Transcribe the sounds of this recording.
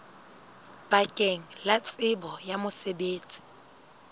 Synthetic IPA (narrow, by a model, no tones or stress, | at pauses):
b̥akʼeŋ̩lat͡sʼɪbɔjamʊsebeːt͡sʼi̥